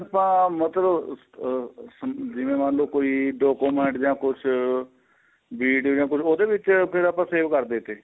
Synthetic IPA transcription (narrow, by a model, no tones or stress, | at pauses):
pãːmət̪ləb | səd͡ʒɪʋẽːmãːnloːkoːiːɖɔːkoːmɛ̃ːɳʈd͡ʒãːkʊt͡ʃʰ | biːɖod͡ʒãːkʊt͡ʃʰoːd̪eːʋɪt͡ʃpʰɪɾaːpãːseːʋkəɾd̪eːt̪eː